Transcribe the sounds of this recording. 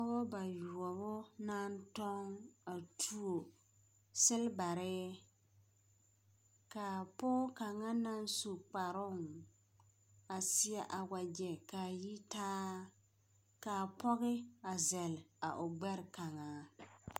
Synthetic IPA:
ɔ˦bɔ˦ba˨ju˨ɔ˨bʊ˦na˦n˦tɔ˦ŋa˨tʰu˦o˨ | sɪ˦lba˨ɾɪ˦ | ka˨pʊ˦ka˨ŋa˦na˦n˦su˨k͡pa˨ɾʊ˦˨ŋ | a˨sɪ˦a˦ʔa˨wa˨d͡ʒɛ˨ka˨ji˦taː˦ | ka˨pɔ˦ɣɪ˦a˨zɛ˨la˨ʔʊ˨ɡ͡bɛ˦ɾɪ˨ka˨ŋaː˨˦

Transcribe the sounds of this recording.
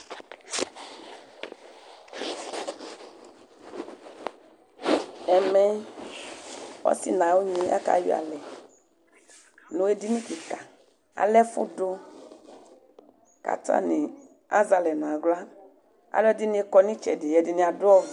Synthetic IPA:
ɛ˨mɛ˦ | wɔ̰˦sḭ˦nã˨wo˦ɲĩ˦a̰˦ka̰˨jḭ˦a̰˨lɛ˨ | nũ˨e˦di˦nĩ˦ki˨ka˨ | a̰˨lɛ˦fʊ̰˦do˦ | ka̰˨tã̰˦nĩ˨ | a̰˦za˨lɛ˨nã˨ɡla˦ | a̰˨lɛ˦di˦nĩ˦ɛ˦kɔ˦nĩ˦t͡ʃɛ̰˨di˨jɛ˨di˨nĩ˨a˨dʊ˦ɔ˦v

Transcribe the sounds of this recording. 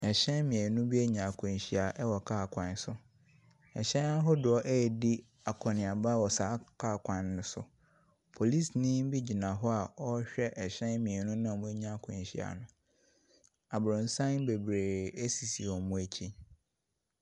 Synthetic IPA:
ɛ˨ɕɛ̃˦nmĩ˨e˨nũ˦bi˦æ˦ɲã˨kʰʊ̃˨n˨ɕi˨a˨ʔɛ˦wɔ˨kʰaː˦˨kʷʰã˨n˦sʊ˦ | ɛ˨ɕɛ̃˦n˦a˦ɦʊ˦dʊ˨ɔ˦ʔæ˦ɛ˨di˦ | a˨kʰɔ˨nɪ̃˨a˨ba˦˨wɔ˨saː˨˦kʰa˦˨kʰʷã˨nːʊ̃˦sʊ̰˦ | pʰo˨li˦˨snĩ˦m˦bi˦d͡ʑi˨nã˨ɦɔ˦a˨ɔ˦ɕᶣɛ˦ʔɛ˨ɕɛ̃˦nmĩ˨e˨nũ˦nã˦˨mʊ̃˦æ˦ɲã˦˨kʰʊ̃˨n˨ɕi˨a̰˨nʊ̃˨ | a˨bɾʊ̃˨n˦sã˦nbe˨bɾe˨æ˦si˨si˨ɔ˨mʊ̃˦æ˦t͡ɕʰi˦

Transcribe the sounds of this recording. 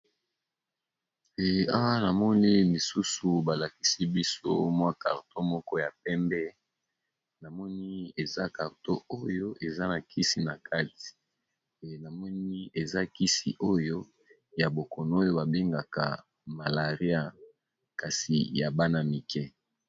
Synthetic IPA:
ɛ˨a˦wa˦na˨mɔ˦ni˦li˨su˦su˨ba˨la˨ki˦si˦bi˦so˦mwa˦ka˨ʁto˦mɔ˦kɔ˦ja˨pɛ˦mbɛ˦ | na˨mɔ˦ni˦e˨za˦ka˨ʁto˦o˦jo˦ʔe˨za˦na˨kʰi˦si˦na˨kʰa˦ti̥˨ | na˨mɔ˦ni˦e˨za˦ki˦sḭ˨ʔo˦jo˦ | ja˨bo˨kɔ˨no˦o˦jo˦ba˨be˦ŋɡa˨ka̰˨ | ma˨la˨ʁi˦a˦ | ka˨sḭ˨ja˨ba˦na˦mi˨kɛ˦

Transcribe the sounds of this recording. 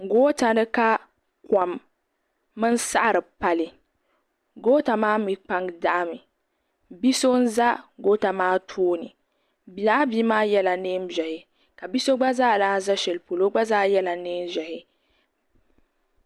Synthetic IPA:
ŋ˨ɡoː˦ta˨nɨ˦ka˦ | ka˨mː | ɨ˦n˦sa˦ʔɾɨ˨pa˨li˨ | ɡoː˦ta˨maː˦mi˦k͡pa˦ŋ˦da˦ʔmɨ˨ | bi˦so˦n̩˦za˦ɡoː˦ta˨maː˦tʰoː˦nɨ˨ | bi˨laː˦bi˦maː˦jɛ˦la˨neː˦mzɛ˨hɪ˨ | ka˨bi˦so˦ɡ͡ba˦zaː˦˨daː˦n˦za˦ʃɛ˨lpo˨lo˦ɡ͡ba˦zaː˦jɛ˦la˨neː˦mzɛ˨hɪ˦

